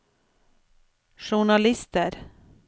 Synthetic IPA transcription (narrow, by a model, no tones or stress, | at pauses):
ʂʊɳalɪst̪əɾ